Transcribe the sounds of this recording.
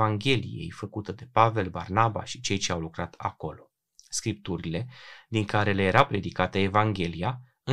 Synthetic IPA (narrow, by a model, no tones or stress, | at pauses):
aŋɡʲe̞lḭje̞̰jfəkut̪əd̪e̞pave̞lbarnaba̰ʃi̥t͡ʃe̞jt͡ʃe̞awlukɾat̪ʰa̰ko̞lo̞ | skɾip̚t̪uɾile̞d̪iŋkaɾe̞le̞jeɾawpɾe̞d̪ikat̪əevaŋɡʲe̞lija | ɨ